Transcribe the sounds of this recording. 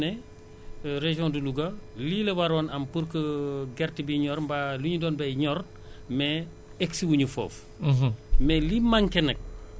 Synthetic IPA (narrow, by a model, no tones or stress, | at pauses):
nɛ | ɾeʒjɔ̃diluɡɐlilɐwaɾɔːnɐmpuɾkəɡɛrtibiɲɔːɾmbaluɲudɔːnbɛɲɔɾ | mɛ | ɛksiwuɲufɔ̰ːf | mɛlimaŋkɛnɐk̚